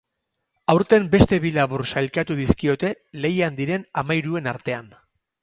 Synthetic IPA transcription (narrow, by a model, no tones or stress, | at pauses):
awɾt̪e̞mbe̞st̪e̞βilaβursalkat̪uðiskio̞t̪e̞ | le̞jand̪iɾe̞namajɾue̞naɾt̪e̞an